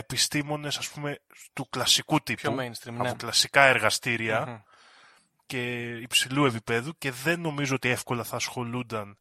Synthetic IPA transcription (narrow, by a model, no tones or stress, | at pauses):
epist̪imo̞ne̞sɐspume̞st̪uklɐsikut̪iuensɾiɐpoklɐsikɐe̞ɾɣɐst̪iɾiɐ | ce̞ipsilue̞pipe̞ðuce̞ðe̞nːo̞mizoo̞t̪ie̞fko̞lɐθɐːsxo̞lund̪ɐn